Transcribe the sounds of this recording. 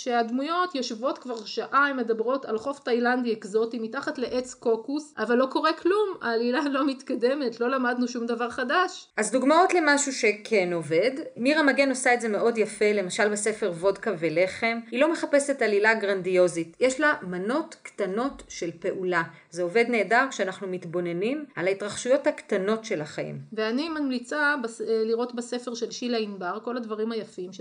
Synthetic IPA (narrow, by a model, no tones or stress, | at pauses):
ʃeadmujo̞tjoʃvo̞tkvaʁʃaʔaimːe̞dabʁo̞talχo̞ftajlandiekzo̞timitaχatle̞ʔet͡sko̞kusʔavalːo̞ko̞ʁeklumaːlilalo̞mitkade̞me̞tlo̞lamadnuʃumdavaʁχadaʃʔazduɡmao̞tle̞maʃuʃe̞kʰeno̞ve̞dmiʁamaɡe̞no̞saetze̞me̞ʔo̞djafele̞maʃalbese̞fe̞ʁvo̞dkavele̞χe̞milome̞χape̞setalilaɡʁandio̞zitjeʃlamano̞tktano̞tʃe̞lpe̞ʔula | zeo̞ve̞dne̞ːdaʁkʃeanaχnumitbo̞ne̞nimʔalaitʁaχʃujo̞thaktano̞tʃe̞laχaḭmveanimamlit͡sabliʁo̞tbesefeʁʃelʃilainbaʁko̞ladvaʁimhajafimʃ